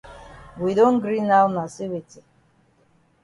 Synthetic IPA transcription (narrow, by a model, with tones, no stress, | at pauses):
wi˨dõ˦n̩ɡɾi˦na˦wna˨si˦wi˨ti˨